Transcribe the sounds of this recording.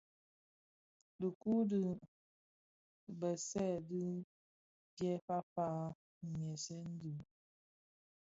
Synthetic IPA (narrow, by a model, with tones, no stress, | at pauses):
də˨ku˦di˦˨ | bə˨sɛ˦˨di˦ | djɛ˦fa˦fa˦˨ | mjɛ˨sɛ˦n̩˦di˨